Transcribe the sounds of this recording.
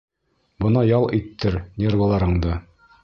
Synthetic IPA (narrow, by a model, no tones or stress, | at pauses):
bɤ̆nɑjɒlˠit̪ːɘɾnʲervɤlˠɑɾɤ̆ɴd̪ɤ